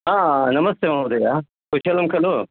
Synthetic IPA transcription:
ɦãːnɐmɐst̪emad̪ɐjaː | kut͡ʃʰɐlɐmkɐlo

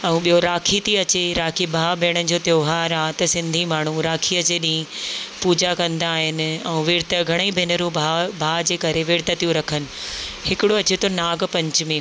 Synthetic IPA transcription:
ɛ̃ũɓijoɾaːkʰit̪ʰiɐt͡ɕeɾaːkʰibʱaːbʱeːɽ̃ənɪ̆d͡ʑoːt̪joːɦaːɾaːt̪ɐsɪ̃nd̪ʱimaːɳ̤ũɾaːkʰiɐt͡ɕeɗĩĩpuːd͡ʑakɐ̃nd̪aːɦɪnɪ̆ɛ̃ũʋɪɾt̪əɡʱɐɽ̃əibʱɪnəɾũabʱaːd͡ʑeːkɐɾeʋɪːɾt̪ət̪ijũɾɐkʰənɪ̆hɪkɪɽoɐt͡ɕet̪ʰonaːɡpɐ̃ɲt͡ɕʊmẽ

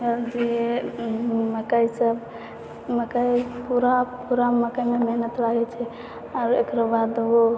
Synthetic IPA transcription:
əɾd͡ʒe | məkaisəb | məkajpuɾapuɾaməkajmemeɦnət̪laɡɛt͡ʃʰɛ | aɾekɾabad̪o

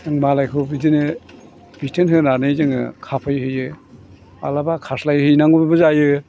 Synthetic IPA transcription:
ɯŋmalajkʰɯbidinɯ | b̥itʰɯnɦɯnanɯzɯŋɯ̰kʰapʰɯjhɯjɯ | a̰labakʰaslajhɯjnaŋbɯbɯzajɯ

